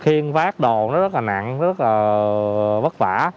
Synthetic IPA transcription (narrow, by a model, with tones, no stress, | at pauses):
xi˧ənvaː˦˥k̚ɗo˨˩nɔ˨˦zə˦˥t̚laː˨˩na̰˧˨ŋ˦zə˦˥t̚laː˨˩ | və˦˥t̚vaː˧˩